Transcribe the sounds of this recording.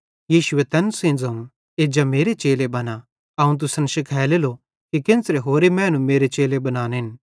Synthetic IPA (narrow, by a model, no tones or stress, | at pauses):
jiːʃʊet̪ɛnsẽːnd͡zɐũ | eːd͡ʒameːɾet͡ʃeːlebɐna | ɐũt̪̬ʊsɐnʃɪkʰɛːlelo | kikɪ̃nsɾeɦoːɾemɛ̃ːnumeːɾet͡ʃeːlebɐnaːneɦɪn